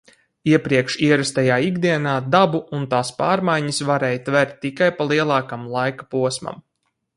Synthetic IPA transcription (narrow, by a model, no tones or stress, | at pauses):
iɛpɾiɛkʃiɛɾast̪ajaːiɡd̪iɛnaːd̪abuunt̪aːspaːɾmajɲisvaɾɛːjt̪vɛɾt̪̚ʲːikajpalˠiɛlˠɑːkamlˠajkḁpuɔsma̰m